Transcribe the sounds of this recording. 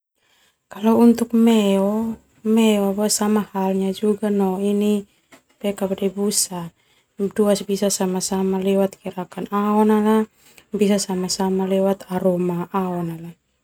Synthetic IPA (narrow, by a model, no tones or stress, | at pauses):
kalɔunt̪uk̚mɛɔ | mɛɔabuasamahalɲad͡ʒuɡanɔini | pɛkabadɛbusa | duasbisasamasamalɛwat̪̚kiɾakanaɔnala | bisasamasamalɛwat̪aɾɔmaʔaɔnala